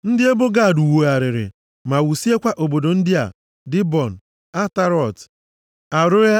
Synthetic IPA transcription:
n̩˦dɪ˦e˦bʊ˦ɡa˦˨du˨wo˨a˨ɾɪ˨ɾɪ̰˨ | ma˨wu˨si˦e˦kʷa˦ʔo˨bo˨do˨n̩˦dɪ˦a̰˨ | dɪ˦bɔ˨n̩˨ | a˦ta˦ɾɔ˦˨t | a˨ɾʊ˦ɾe˦

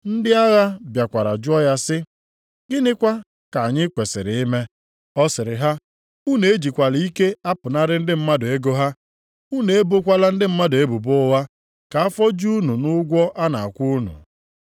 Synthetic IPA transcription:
n̩˦dɪ˦a˦ɣa˦bja˨kʷa˨ɾa̰˨d͡ʒʊ˦ɔ˦ja˦sɪ˦ | ɡɪ˦nɪ˦kʷa˦ | ka˨a˨ɲɪ˦kʷe˨sɪ̰˨ɾɪ˨i˦me˦ | ɔ˦sɪ˨ɾɪ̰˨ɦa˦ | u˦ne˨e˦d͡ʒi˨kʷa˨li˦ke˦a˦pʊ˨na˦ɾɪ˦n̩˦dɪ˦m̩˦ma˦dʊ˨e˦ɡo˦ɦa˦ | u˦ne˨e˦bo˦kʷa˦la˦n̩˦dɪ˦m̩˦ma˦dʊ˨e˦bu˨bʊ˦wa˦ | ka˨a˦fɔ˦d͡ʒu˦nu˨nʊ˦ɡʷɔ˦ʔa˦na̰˨a˨kʷu˦nṵ˨

